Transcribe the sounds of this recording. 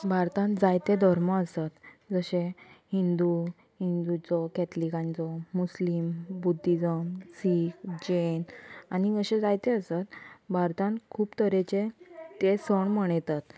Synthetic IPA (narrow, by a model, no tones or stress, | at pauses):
bʱaɾt̪ãnd͡zajt̪ed̪ʱəɾməəsat̪d͡zəɕẽhind̪u | hind̪ut͡sɔkɛt̪likãnt͡sɔmuslimbud̪ʱːid͡zəmsikd͡ʑenanid͡zəɕed͡zajt̪eəsat̪bʱaɾt̪ãnkʰuːpt̪əɾet͡ɕet̪esəɳməɳ̃jt̪at̪